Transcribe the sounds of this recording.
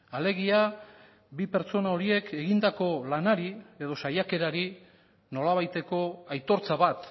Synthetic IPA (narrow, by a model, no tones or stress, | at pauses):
ale̞ɣ̞ia | bipe̞ɾt͡so̞nao̞ɾie̞kʰe̞ɣind̪ako̞lanaɾie̞ðo̞sajake̞ɾaɾi | no̞laβ̞ajt̪e̞ko̞ajt̪o̞ɾt͡saβat̪